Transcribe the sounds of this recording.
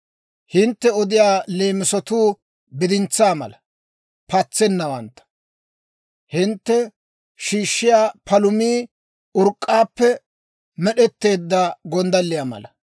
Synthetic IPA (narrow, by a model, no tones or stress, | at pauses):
hɪnt̪ːɛɔd̪ɪjaːleːmɪsɔt̪uː | bɪd̪ɪnt͡sːaːmɐ̰lɐ | pɐt͡sːɛnːɐwɐnt̪ːɐ̥ | hɪnt̪ːɛ | ʃiːʃːɪjaːpɐlʊmiː | ʊɾkʼːaːpːɛ | mɛɗɛt̪ːe̞ːd̪ːɐɡɔnd̪ɐlːɪjaːmɐ̰lɐ